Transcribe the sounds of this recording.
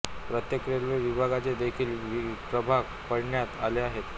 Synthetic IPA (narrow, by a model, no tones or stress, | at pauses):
pɾət̪jekɾelʋeʋibʱaɡat͡sed̪ekʰiːlʋipɾəbʱak | pəɽɳjat̪aleaɦet̪